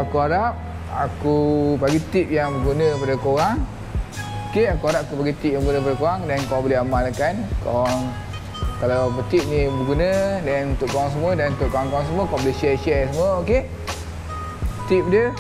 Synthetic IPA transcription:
akuaɾap̚ | a̰kupaɡit̪ip̚jaŋbəɡunə̃padakoɣaŋ | okeakuaɾap̚akupaɡit̪ip̚jãmbəɡunəkpadakoɣaŋdankabolɛɦamalakankɔ̰ŋ | kalawpət̪ip̚nibəɡunədanunt̪ʊʔkoɾaŋs̬əmuədanunt̪ʊʔkoɾaŋkoaŋs̬əmuəkabolɛhʃɛʃɛsəmuəoke | t̪ip̚də

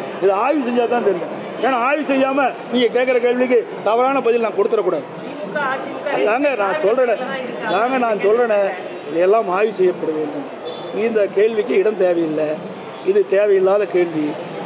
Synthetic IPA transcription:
ɪðɯaːjis̬ɛɲd͡ʒaːðt̪ãːnt̪ɛɾɪjõ | eːnaːaːjʋisɛjːaːmɐ | niːŋɡɐk̬eːʈk̬ːɐɾɐkeːɭʋɪk̬ːɯ | t̪ɐʋɐɾaːnɐpɐðɪlnaːɐkɔɽɯt̪ːɯɾɐkːuːɽaːðɯ | ɐɯaːŋɡɐnãːsɔlrɐnẽː | ðaːŋɡɐnãːnsɔlrɐnẽ | ɪðɐɛlːãːmaːjisɛjːɐpːɐɽɐʋeːnʊm | ind̪ɐkeːɭʋɪkːɯɪɽɐnt̪eːʋɐjɪlːɐ | ɪðɯt̪eːʋɐjɪlːaːðɐkeːɭʋi

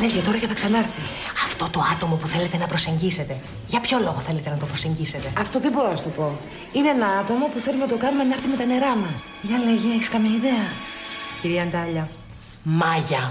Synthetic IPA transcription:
elçet̪o̞ɾɐceθɐksɐnɐɾθi | ɐft̪o̞t̪o̞ɐt̪o̞mo̞puθe̞le̞t̪e̞nɐpɾo̞se̞ɲɟise̞t̪e̞ | ʝɐpço̞lo̞ɣoθe̞le̞t̪enɐt̪o̞pɾo̞se̞ɲɟise̞t̪e̞ɐft̪o̞ðebo̞ɾoɐst̪o̞po̞ | ineenɐɐt̪o̞mɐpuθe̞lumenɐt̪okɐnumenɐɾθimet̪ɐne̞ɾɐmɐs | ʝɐleʝieçi̥skɐmjɐiðe̞ɐciɾiɐnd̪ɐʎɐ | mɐʝɐ

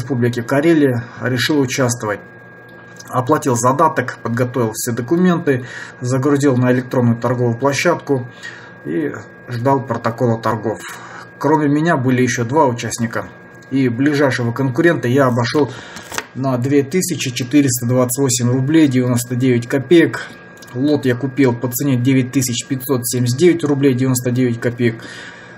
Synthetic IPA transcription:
ɪspublʲɪkʲɪkɐɾʲelʲɪjəɾʲɪʂɨlˠʊt͡ɕast̪vəvət̚ʲ | ɐplˠɐtʲilˠzɐd̪at̪əkpəd̪̚ɡɐt̪o̞vʲɪlˠfsʲed̪əkʊmʲe̞nt̪ɨzəɡɾʊzʲilˠnəɪlʲɪk̚t̪ɾo̞nːʊjʊt̪ɐrɡo̞vʊjʊplˠɐɕːat̪kʊ | i | ʐd̪ɑlˠpɾət̪ɐko̞lˠət̪ɐrɡo̞fkɾomʲɪmʲɪnʲabɨlʲɪjɪɕːo̞d̪vaʊt͡ɕæsʲnʲɪkə | iblʲɪʐajʂɨvəkənkʊɾʲe̞nt̪əjaɐbɐʂo̞lˠnəd̪vʲe̞t̪ɨsʲɪt͡ɕɪt͡ɕɪt̪ɨɾʲɪst̪əd̪vat̪sə̥tʲvo̞sʲɪmʲrʊblʲejdʲɪvʲɪno̞st̪ədʲevʲɪtʲkɐpʲejək | lˠo̞t̪jakʊpʲilˠpət̪sɨnʲedʲevʲɪt̚ʲt̪ːɨsʲɪt͡ɕpʲɪtʲso̞t̪sʲemʲɪs̬ʲt̚ʲdʲevʲɪtʲrʊblʲejdʲɪvʲɪno̞st̪ədʲevʲɪtʲkɐpʲejək

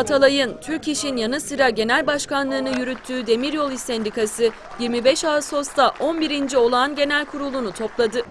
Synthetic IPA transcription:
at̪ʰalˠajɯnt̪ʰyɾciʃinjanɯsɯɾaɟe̞nælʲbaʃkanlˠɯːnɯjyɾyt̪ʰːyːd̪e̞miɾjo̞lˠisɛnd̪ikʰasɯ | jiɾmibɛʃaːso̞st̪aʔo̞nbiɾind͡ʒio̞lˠanɟe̞nælʲkʰuɾulˠunut̪ʰo̞plˠad̪ɯ

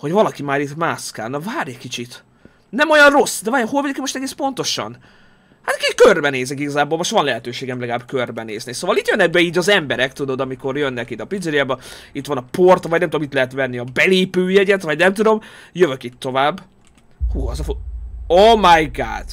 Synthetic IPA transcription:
ho̞ɟvɒlɒkimaːɾit̪maːska̰ːlnɒvaːɾjɒkit͡ʃit̪ | nɛmo̞jɒnro̞sːd̪ɛvaːɾjɒholvid̪ikimo̞ʃt̪ɛɡeːspo̞nt̪o̞ʃɒ̰n | hat̪kikørbɛneːzɛkiɡɒzaːboːlmo̞ʃt̪vɒnlɛɦɛt̪øːʃeːɡɛmlɛɡɒlaːbkørbɛnḛːznisoːvɒliːt̪jønːɛɡ̚bɛiːɟɒzɛmbɛɾɛkt̪ud̪o̞d̪ɒmiko̞rjønːɛkit̪ɒpid̪zɛɾiabɛit̪vɒnɒpo̞rt̪vɒɟnɛmt̪ud̪omit̪lɛɦɛt̪vɛnːiɒbɛleːpøːjɛɟɛt̪vɒɟnɛmt̪ud̪o̞mjøvøkit̪ʰːo̞vaːbː | huːɒzɒfomajɡa̰ːt̪

